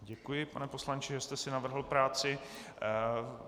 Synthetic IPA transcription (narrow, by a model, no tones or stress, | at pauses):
ɟɛkujɪpanɛpo̞slant͡ʃɪʒɛst̪ɛsɪnavr̩ɦl̩pɾaːt͡sɪ